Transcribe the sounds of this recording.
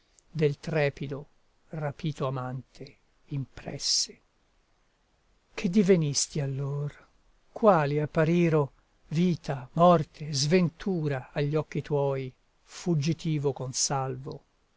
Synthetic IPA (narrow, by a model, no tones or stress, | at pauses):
d̪elt̪ɾɛːpid̪o | rapiːt̪oamant̪ʰe | impɾɛ̰sːe̥ | k̟ʰed̪ːivenist̪ialːoːr | kwaːliapːaɾiːɾo | viːt̪amɔrt̪ʰezvent̪ʰuːɾaːʎːɔkːit̪wɔːji | fud͡ʒit̪iːvokonsalvo̰